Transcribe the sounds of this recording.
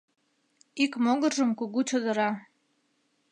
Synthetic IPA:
ikmoɣərʒəmkuɣut͡ɕod̪əɾɑ

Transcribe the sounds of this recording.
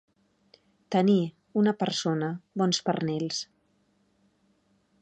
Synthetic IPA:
t̪əni | unəpəɾsonəβɔnspəɾnɛls

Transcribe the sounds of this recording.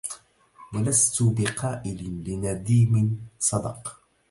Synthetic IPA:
walast̪ʊbɪqʰɑːʔɪlɪlɪnad̪iːmɪsˤɑd̪ɑ̰q

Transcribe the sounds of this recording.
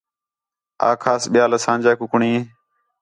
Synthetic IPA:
a̰ːkʰaːsɓɪjaːləsãːnd͡ʒaːkʊkɳĩː

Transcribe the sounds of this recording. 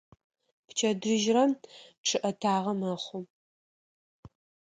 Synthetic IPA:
pt͡ʃʰɐdɨʒrɐmʈ͡ʂʰɨʔɐtʰaːʁɐmɐχʷʊ

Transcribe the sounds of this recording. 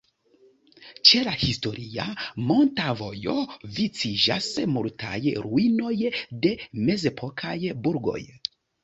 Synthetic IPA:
t͡ʃe̞lahisto̞ɾʔiamo̞ntavo̞̰jo̞̰vit͡sid͡ʒa̰smultʰa̰jɾuino̞jde̞me̞ze̞pʰo̞kʰajbuɾɡo̞̰j

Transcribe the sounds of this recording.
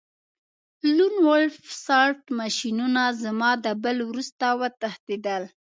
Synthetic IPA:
lunwalfsɑɾʈmaʃinunazamɑd̪əbəlwɾust̪awət̪axt̪id̪əl

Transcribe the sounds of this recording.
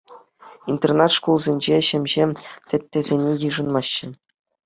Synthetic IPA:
int̪ʲernɑt̪ʂkulˠzʲenʲd͡ʑeɕɘ̆mʲʑemʲtʲɘ̆tʲːĕzʲenʲejɯʐɤ̆nmɑɕːɘ̆

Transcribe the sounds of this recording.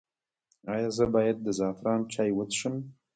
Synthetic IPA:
ɑjɑzəbɑjad̪̚ːəzɑfɾɑnt͡ʃɑjwət̪ʃəm

